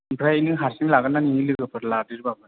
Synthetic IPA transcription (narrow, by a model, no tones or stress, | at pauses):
mpʰɾajinɯɦaɾsiŋlaɡananiŋilɯɡɯpʰɯɾladiɾbabɯ